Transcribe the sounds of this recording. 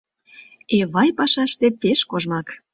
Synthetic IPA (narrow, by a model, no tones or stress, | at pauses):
eβɑjpɑʃɑʃt̪epeʃkoʒmɑk